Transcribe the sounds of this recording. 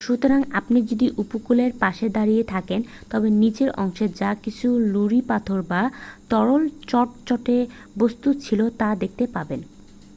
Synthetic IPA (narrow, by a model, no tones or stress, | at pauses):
ʃut̪oɾaŋapnid͡ʑod̪iʔupokuleɾpaʃed̪aɾijet̪ʰaken | t̪ɔbenid͡ʑeɾʔɔŋʃed͡ʑakit͡ɕʰuluɾipat̪ʰoɾbat̪ɔɾolt͡ɕɔʈ̚t͡ɕɔʈe | bost̪ut͡ɕʰilot̪ad̪ek̚t̪epaben